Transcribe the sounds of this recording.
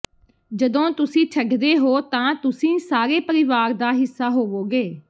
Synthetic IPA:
d͡ʒəd̪õːt̪ʊsĩːt͡ʃʰəɡd̪eːɦoːt̪ãːt̪ʊsĩːsaːɾeːpəɾɪʋaːɾd̪aːɦɪsːaːɦoːʋoːɡeː

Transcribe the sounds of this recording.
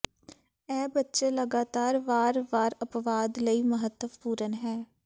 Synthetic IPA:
ɛːbətːʃeːləɡaːt̪aːɾʋaːɾʋaːɾəpʋaːd̪ləiːməɦət̪ːəpuːɾənɦɛː

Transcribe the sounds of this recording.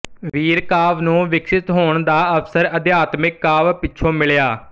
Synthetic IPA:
ʋiːɾkaːʋnũːʋɪkʃɪt̪ɦoːɳd̪aːəpsəɾəd̪jaːt̪mɪkːaːʋpɪːt͡ʃʰõːmɪljaː

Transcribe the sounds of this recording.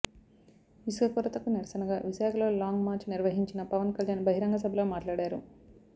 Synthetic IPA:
ʋisʋɐpuɾɐt̪ɐkuniɾɐsɐnɐɡaːʋiʃaːkʰɐlo̞ːlaːŋɡmaːɾt͡ʃniɾʋɐɦiɲt͡ʃinɐpɐʋɐnkɐljaːnbɐɦiɾɐŋɡɐs̬ɐbʱɐloːmaːʈlaːɽaːɾṵ

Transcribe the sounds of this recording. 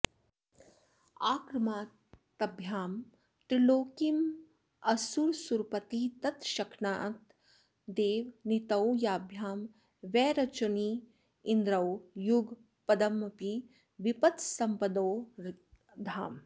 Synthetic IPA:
aːkɾɐmaː | t̪ɐbʱjaːm | t̪ɾiloːkim | ɐsuɾsuɾpɐt̪it̪ɐt̪ʃɐkʰnaːt̪ | d̪eːʋnit̪ɐwjaːbʱjaːm | ʋɛːɾɐt͡ʃɐni | ind̪ɾɐwjuɡ | pɐd̪ɐmɐpi | ʋipɐt̪sɐmpɐd̪oː | d̪ʱaːm

